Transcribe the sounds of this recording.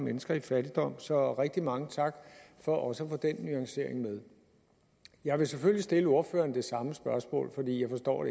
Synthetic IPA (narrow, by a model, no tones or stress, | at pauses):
menəsɡ̥ɐifæd̥id̥ɒ̽m̰sɒ̽ʁeɡ̥̚d̥imɑ̈ŋət͡sʰɑ̈ɡ̥fɒ̽ʔɒ̽səæfoːd̥enːyɑ̈ŋse̝ɐ̰e̝ŋmeð̞ˠ | jɑ̈ɪʋe̝seføllisd̥e̝ləo̝ɐfø̰ːɐnd̥e̝sɑ̈məsb̥ɶɐsmɔ̰̽ːlfɒ̽d̥ḭːjɑ̈ɪfɒ̽sd̥ɒ̰ːɾ̥e